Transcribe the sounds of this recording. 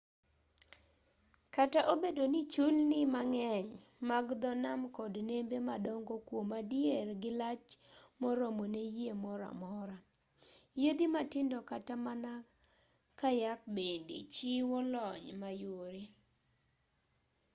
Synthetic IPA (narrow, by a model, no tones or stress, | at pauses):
kataʔobedonɪt͡ʃulnɪmaŋɛɲ | maɡd̪ɔnamkɔdnembemadɔŋɡɔkwomadjerɡɪlat͡ʃmɔɾomonejemɔɾa̰mɔɾa | jed̪imatɪndɔkatamana | kajak̚bendḛt͡ʃiwɔlɔɲmajoɾi